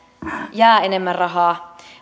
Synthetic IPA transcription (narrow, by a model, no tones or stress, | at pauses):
jæːenemːærrɑɦɑː